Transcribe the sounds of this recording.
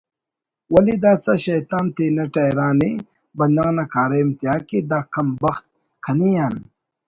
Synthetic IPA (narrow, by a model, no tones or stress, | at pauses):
wɐlid̪aːsɐɕɐjt̪aːnt̪eːnɐʈajɾaːni | bɐnd̪ɐŋnɐkʰaːɾɐmt̪jaːkid̪aːkʰɐmbɐxt̪̚ | kʰɐnijan